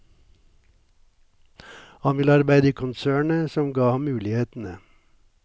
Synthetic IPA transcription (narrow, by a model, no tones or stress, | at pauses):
hɑnʋɪləɑɾbæɪd̪əiːkʰʊnsæːɳəsɔmɡɑːhɑmʉːlɪheːt̪n̩ə